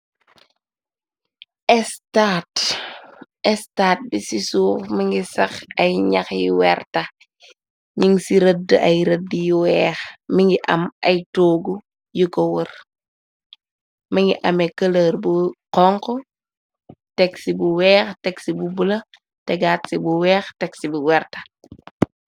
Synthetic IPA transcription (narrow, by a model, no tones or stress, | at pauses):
ɛstaːt | ɛstaːt̚bisisuːɾmiŋɡisɐxɐjɲɐxjiwɛrtɐ | ɲiŋsiɾədʔɐjɾədːjiwɛːxmiŋɡiʔɐmɐjtoːɡu | jikɔwər | miŋɡiʔɐmɛkələrbuqɔŋkɔ | tɛksibuwɛːxtɛksibubulɐ | tɛɡaːtsibuwɛːxtɛksibuwɛrtɐ̥